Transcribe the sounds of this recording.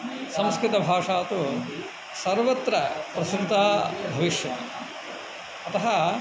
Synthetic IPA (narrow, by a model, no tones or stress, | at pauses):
sɐ̃mskɾɪt̪ɐbʱaːʂaːt̪u | sɐɾʋɐt̪ɾɐpɾɐsɾt̪aːbʱɐʋiʂjɐ | ɐt̪ɐɦɐ